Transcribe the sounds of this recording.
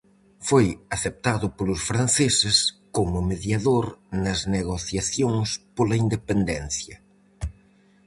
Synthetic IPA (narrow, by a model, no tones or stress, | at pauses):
fojɐθep̚t̪aðʊpolʊsfɾanθesɪskomʊmeðjaðoɾnɐzneɣoθjaθjoŋspolɐind̪epend̪ɛn̟θjɐ